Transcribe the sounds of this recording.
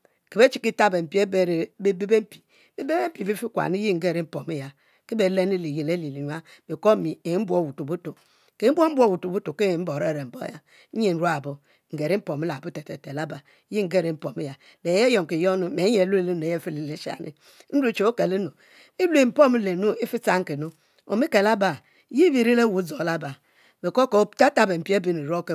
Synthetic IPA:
ke˨be˦t͡ʃi˨ki˦ta˦be˨m̩˨pi˦e˦be˦ɾe˨be˦be˦be˦m̩˦pi̥˨ | be˦be˦e˦m̩˦pi˨bi˦fi˦kʷa̰˨ni˦ji˦ŋ̩˦ɡe˦˨ɾe˦m̩˦po˨mi˦ja˨ | ke˦be˨le˦ni˦˨li˨je˨le˦li˨li˨ɲa˦be˨ko˦mi˨e˨˦m̩˦bʷo˦˨wu˨tu˨bu˦to˨ | ke˨˦m̩˦bʷo˦m̩˦bʷo˦˨wu˨tu˨bu˦to˨ke˦˨m̩˦bo˨ɾe˦˨ɾe˨m̩˨bo̰˦ja˦ | e˦˨n̩˦ɾu˦a˨bo˨ | ŋ̩˨ɡe˨ɾi˦m̩˦po˨mi˦la˨bu˦te˨te˨te˨la˦ba˨˦ | ji˦ŋ̩˦ɡe˦ɾe˨m̩˦po˨mi˦ja˨ | le˨je˦jo˨ŋ˨ke˨jo˦nu˨me˨˦ɲe˨lu˦e˦li˦n˨e˨je˦fi˦li˨li˦ʃa̰˨nḭ˦ | n̩˦ɾu˦t͡ʃo˨˦o˦ke˨le˦no˨ | i˦lu˦e˨m̩˨po˦mi˦le˨nu˦i˦fi˦t͡sa˦ŋ̩˦ke˨nu˦ | o̰˨mi˦ke˨la˦ba˨˦ | ji˦bi˨ɾi˦le˦wu˨˦zo˨la˦ba˨ | me˨ko˦ko˨˦ta˦ta˨be˨m̩˨pi˦e˦bi˦ni˨ɾo˦ke˨

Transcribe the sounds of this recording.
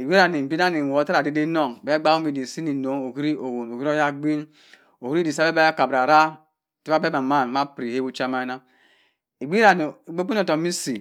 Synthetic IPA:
i˨ɡ͡bi˦a˨ni˨m̩˨bi˦n˦a˦ni˨wo˨˦ta˦ɾa˨de˦de˦nɔ˦˨ŋ˨be˦ɡ͡ba˦o˦mi˨di˨si˦ni˨no˨˦ŋo˨ki˦ɾi˦o˨wo˨no˨ɡi˦ɾo˦ja˦ɡ͡bi˦n | o˨hi˦ɾi˦di˨sa˦be˦ba˦ja˦ka˨bɾa˨ɾa˦˨ | ti˦ba˦be˦ma˨ma˦˨n˨ma˦pɾi˨he˦bu˦t͡ʃa˦ma˦na˦ | i˨ɡ͡bi˦a˨ni˨i˨ɡ͡be˦pi˦o˨tɔ˨mi˦si˨

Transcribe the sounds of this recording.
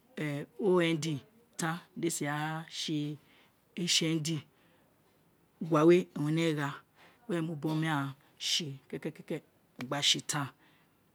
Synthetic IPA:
ɛ˨o˦ɛ˧n˦di˧ | tã˦de˦si˨a˨˦ʃi˧ | e˦ʃe˧n˦di˧˨ | ɡʷa˨we˦˨wũ˨ne˦˨ɣa˧˦ | e˦˨mu˨bo˦mĩ˦a˦˨ | ʃi˨kɛ˦kɛ˦kɛ˦kɛ˦˨ | ɡ͡ba˨ʃi˨tʰã˧

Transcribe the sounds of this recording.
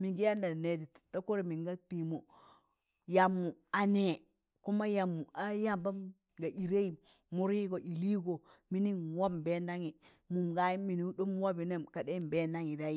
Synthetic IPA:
mi˨ɡi˦ja˦nda˨ne˨ti˨tta˦ku˦ɾi˨mi˨ŋɡa˦pi˨mo˨ | ja˨mːu˨a˨ne˨ | ku˦ma˦ja˨mːu˨a˦ja˦mba˦m | ɡa˨ʔi˨ɾe˦i˨ | mu˦ɾi˦ɡo˨ʔi˨li˦ɡo˨mi˦ni˦nwa˦m˨be˦na˦ŋi˨ | mu˨mɡa˦ji˦mi˨ni˦do˦mwa˦bi˨ne˦˨mka˨de˦m˨be˦na˦ŋi˨da˦ji˦

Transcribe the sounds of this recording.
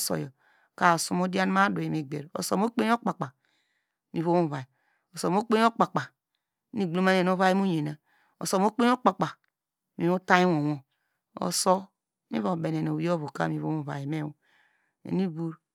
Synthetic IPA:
so̰˨jɔ˨ | ka˨o˨su˨mo˦di˦a˦n˦ma˦do˨e˨me˨ɡ͡bḛ˨ɾo̰˨so̰˨m˦o˦k͡pe˦o˦k͡pa˨k͡pa˨ | mi˨βo˦mo˦˨va˨ji˨ | o˨so˨m˦o˦k͡pe˦o˦k͡pa˨k͡pa˨˦ | ni˦ɡ͡blo˦ma˦n˨e˨no˦va˦i˦m˦o˦ɲe˨na˨ | o̰˨so˨m˦o˦k͡pe˦o˦k͡pa˨k͡pa˨ | mi˨mo˦ta˦jwo˨wo˨ | o̰˨so˦ | mḭ˦βo˨be˨n˨e˨n˨o˨˦o˦βo˨ka̰˦mi˨βo̰˦mo˦˨va̰˨ji˨me˦o˨ | ḛ˨ni˦ɡu˦ɾ

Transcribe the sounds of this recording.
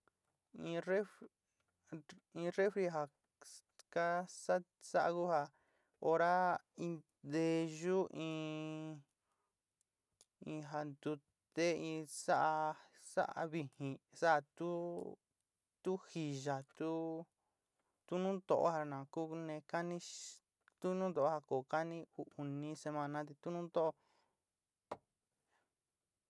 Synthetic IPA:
ĩ˧re˦ | ĩ˧re˦fɾi˧ɦa˧ | ka˦sa˦ | sa˦ʔa˧ku˦ha˧ | o˧ɾa˦ | ĩ˧ | d̪e˧ʒu˦ʔĩː˧ | ĩ˧ɦa˧nd̪u˧ | t̪e˦ĩ˧sa˦ʔa˧ | sa̰˦ʔa̰˧βi˧hĩ˨sa˦a˧t̪u˦ | t̪u˦hi˧ʒa˨t̪u˦ | t̪u˦nũ˦t̪o̰˧˨ʔo̰˦ha˧nã˨ku˦nẽ˧ka˦nĩ˦ | t̪u˦nũ˦d̪o˨ʔo˦ha˧ko˨ka˦nĩ˦u˧u˨nĩ˧se˧mã˧nã˦t̪̬i˧t̪u˦nũ˦nd̪o˦ʔ

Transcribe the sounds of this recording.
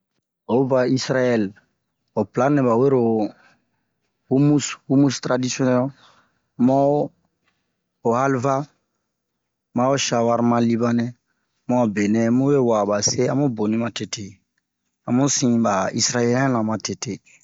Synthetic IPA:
o˨˦ba˨i˦sɾa˦jɛ˦l | o˨pla˦nɛ˨ba˨we˦ɾo˨ | hu˦mu˦shu˦mu˦stɾa˨di˦siɔ˦nɛ˦l | ma˦o˦ | o˨ha˦lva˦ | ma˦o˦ʃa˨wa˦ɾmã˦li˦ba˦nɛ˦ | ma˦˨be˨nɛ˦mu˦be˦wa˨ba˨se˦ã˦mo˦bõ˨nĩ˦ma˨te˨tʰe˨ | ã˨mo˦sĩ˨ba˨i˦sɾa˦jɛ˦lɛ˦lã˨ma˨te˨te˨

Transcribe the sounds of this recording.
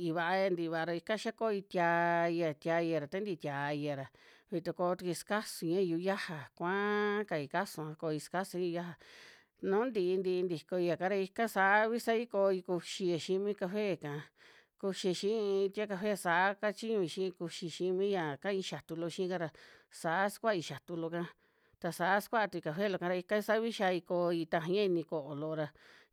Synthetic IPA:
i˧βa˧ʔa˧ja˧nd̪i˧˨˧βa˧˨a˧ɾa˧i˧ka˦˧ʃa˦ko˦˧i˧t̪ʲja˧i˧a˧t̪ʲa˧i˧a˧ɾa˨t̪a˦nd̪i˧t̪ʲa˧i˧a˨ɾa˨ | βi˧t̪o˧ko˧t̪u˧ki˧ska˦su˧ɲã˦˧u˧ja˦ha˨kʷã˦ka˧i˧˨ka˦sũ˧˨ã˧ko˧i˧ska˦su˧˦˧ja˦ɦa˧ | nũ˦nd̪i˧ʔnd̪i˧nd̪i˨ko˧i˧a˨ka˧˦ɾa˧i˧ka˦sa˧˨˦βi˦sa˦i˦ko˧i˧ku˧ʃi˧a˧ʃi˦mĩ˦ka˧fe˦˨kã˨˧ | ku˧ʃi˧ʃĩ˦˧t̪ʲa˦ka˧ɸe˦˨sa˧˨˦ka˦t͡ʃi˦ɲũ˧i˧ʃĩ˦˧ku˧ʃi˧˨ʃi˦mĩ˦ja˨kã˦ĩ˧ʃa˨t̪u˧lo˧ʃĩ˦ka˧ɾa˧sa˨˦skʷa˦˧i˧ʃa˨t̪u˧lo˧kã˧˦ | t̪a˧sa˨˦skʷa˦a˧t̪u˧i˧ka˧ɸe˦˨lo˧kã˧ɾa˧i˧ka˦˧sa˦βi˦ʃa˧i˧ko˧i˧t̪a˧ɦã˧ã˦i˧nĩ˧ko˧ʔo˨lo˧ɾa˧

